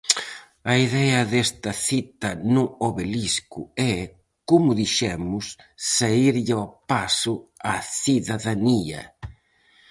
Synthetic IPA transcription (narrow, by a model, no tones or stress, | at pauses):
ɐiðɛɐðest̪ɐθit̪ɐnuoβeliskʊɛ | kumʊðiʃɛmʊsː | aiɾʎɪɔpasʊaθiðaðaniɐ̰